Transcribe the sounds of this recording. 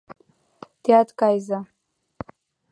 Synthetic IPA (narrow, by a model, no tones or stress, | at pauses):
d̥jatkʼajza